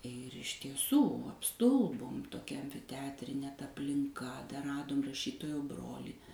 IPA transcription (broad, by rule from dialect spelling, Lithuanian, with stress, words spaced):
ɪr ɪʃ tʲiɛˈsuː ɐpˈstʊlˠboːm toːˈkʲɛ ˈtʲɛɐtʲrʲɪnʲeː tɐ ɐpʲlʲɪŋˈkɐ dɐr ˈrɑːdoːm rɐˈʃʲiːtoːjoː ˈbroːlʲiː